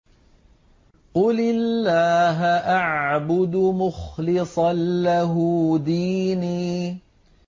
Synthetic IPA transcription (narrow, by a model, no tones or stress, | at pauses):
qʊlɪlːaːɦaʔaʕbʊd̪mʊxlɪsˤɑnːaɦuːd̪iːniː